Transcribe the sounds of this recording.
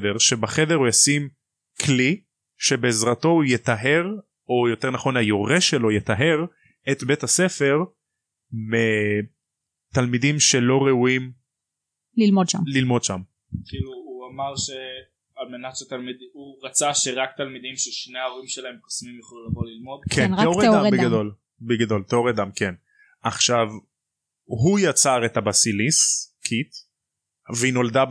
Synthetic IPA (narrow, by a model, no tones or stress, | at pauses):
deʁʃe̞baχe̞deʁujasim | kʰli | ʃe̞be̞ːzʁat̪o̞ujet̪aɦe̞ʁ | o̞jo̞te̞ʁnaχo̞najoʁeʃe̞lo̞jet̪aɦe̞ʁ | et̪be̞tase̞fe̞ʁ | me | t̪almidimʃe̞lo̞ʁeuim | lilmodʃa̰mlilmo̞dʃam | kiluuamaʁʃe | alme̞natʃet̪almid̪uʁat͡saʃe̞ʁak̚t̪almid̪imʃeʃne̞aoʁimʃelaemkosmimjaχolumlavolilmo̞d̪kʰenʁaoʁed̪amedbeɡad̪ol | beɡad̪o̞lt̪eoʁed̪amken | aχʃav | ɦujat͡saʁetabasiliskʰit̪ | veino̞ld̪a